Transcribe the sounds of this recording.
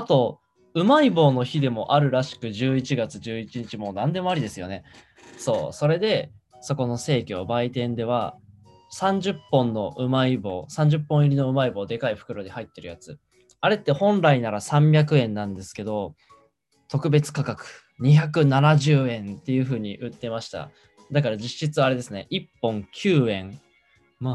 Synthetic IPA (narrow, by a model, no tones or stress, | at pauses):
at̪o̞ | ɯ̟maibo̞ːno̞çid̪e̞mo̞ʔaɾɯ̟ɾaɕi̥kɯ̟ʑɨːit͡ɕiɡat͡sɨʑɨːit͡ɕiɲ̟it͡ɕimo̞ːnãnd̪e̞mo̞aɾʲid̪e̞sɨjo̞̰ne̞ | so̞ːso̞ɾe̞d̪e̞ | so̞ko̞no̞se̞ːkʲoobait̪ẽ̞nd̪e̞β̞a̰ | sãɲ̟d͡ʑɨpːõ̞nːo̞ʔɯ̟maibo̞̰ːsãɲ̟d͡ʑɨpːõ̞iɾʲino̞ɯ̟maibo̞ːd̪e̞kaiɸɯ̟̥kɯ̟ɾo̞d̪ehait̪ːe̞ɾɯ̟jat͡sɨ | aɾe̞t̪ːe̞hõ̞nɾainaɾasãmbʲak̬ɯ̟ẽ̞nːãnd̪e̞sɨ̥ke̞d̪o̞ | t̪o̞kɯ̟be̞t͡sɨ̥kakakɯ̟̥ | ɲ̟içak̬ɯ̟nanaʑɨːẽ̞nt̪e̞jɯ̟ːɸɯ̟ːɲ̟iʔɯ̟t̪ːe̞maɕi̥t̪a̰ | d̪akaɾad͡ʑiɕit͡sɨaɾe̞d̪e̞sɨne̞ʔipːõ̞ŋkʲʰɨːẽ̞ŋ | no